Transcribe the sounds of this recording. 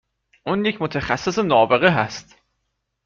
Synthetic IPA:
ʔuːnjecʰmot̪ʰæxæsːe̞senɒːbeɣeɦæst̪

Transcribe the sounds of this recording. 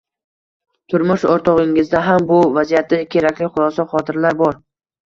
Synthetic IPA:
t̪ʰʊɾmʊʃɒɾt̪ʰɒʁɪŋɪzd̪aɦambʊvazijat̪ʰːɪkʲʰe̞ɾakʲlɪχʊlˠɒsɒχɒt̪ʰɪɾlaɾbɒɾ

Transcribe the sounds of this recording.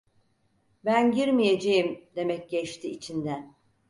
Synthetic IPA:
bænɟiɾmije̞d͡ʒejimd̪e̞mɛc̚ɟɛt͡ʃt̪ʰiːt͡ʃʰind̪æn

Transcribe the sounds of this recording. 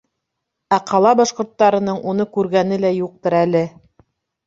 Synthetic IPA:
æqʰɑlˠɑbɑʃqŏɾt̪ːɑɾɤ̆nɤɴunɤkʉɾɡænɘlæjuq̚t̪ɤɾælɘ

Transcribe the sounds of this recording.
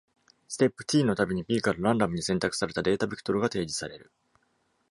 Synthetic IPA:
sɨ̥t̪e̞pːɯ̟̥t̪ʲiːno̞t̪abʲeɲ̟ipʲiːkaɾɯ̟ɾãnd̪amɯ̟ɲ̟isẽnt̪akɯ̟̥saɾe̞t̪ad̪e̞ːt̪abʲikɯ̥t̪o̞ɾɯ̟ɡat̪e̞ːd͡ʑi̥saɾe̞ɾɯ̟

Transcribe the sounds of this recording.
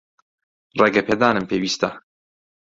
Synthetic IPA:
reɡɛpʰeːd̪aːnɨmpʰeːwiːst̪ɐ

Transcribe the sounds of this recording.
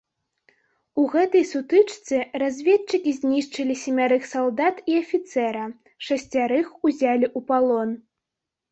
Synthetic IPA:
uɣɛt̪ɐjsut̪ɨt͡ʂt̪sɨrazʲvʲɛtt͡ʂɨkʲizʲnʲiʂt͡ʂɐlʲisʲimʲaɾɨxsalˠd̪at̪iafʲit̪sɛɾɐ | ʂɐsʲt͡sʲaɾɨxuzʲalʲiʔupalˠɔn

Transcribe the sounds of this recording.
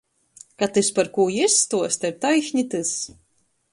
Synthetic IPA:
kat̪ɨspaɾkuːjisːt̪uɔsʲt̪ʲɛɾt̪ajʃɲʲit̪ɨs

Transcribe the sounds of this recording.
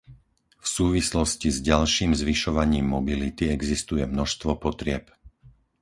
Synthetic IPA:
fsuːʋislɔscizɟalʃiːmzʋiʃɔʋaɲiːmːɔbilit̪iɛɡzist̪ujɛmnɔʃst̪ʋɔpɔt̪ɾɪɛp

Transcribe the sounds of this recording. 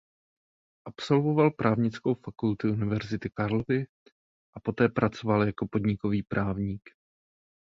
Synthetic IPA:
ʔapso̞lvo̞valpɾʔaːvɲɪt͡sko̞wfakult̪ʊʔunɪvɛɾzɪt̪ɪkaɾlovɪ | ʔapo̞t̪ɛːpɾʔat͡sovaljako̞po̞d̪ɲɪko̞viːpɾʔaːvɲiːk

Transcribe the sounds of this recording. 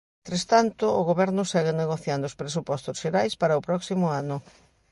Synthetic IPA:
nt̪ɾest̪ant̪ʊːɣoβɛɾnʊsɛɣeneɣoθjand̪oʊspɾesupɔst̪ʊsʃeɾajspaɾɐʊpɾɔksimʊanʊ

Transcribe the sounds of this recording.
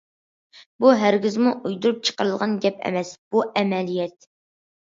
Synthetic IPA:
buɦæɾɡʲɪzmuʔujd̪uɾup̚t͡ʃʰə̥qəɾɨlˠʁɑnɡʲɛpʰɛ̰mɛsb̥uʔɛmɛlijɛt̪̚

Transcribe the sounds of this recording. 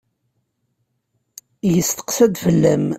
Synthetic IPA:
jəst̪ə̥qsæd̪fəlːæm

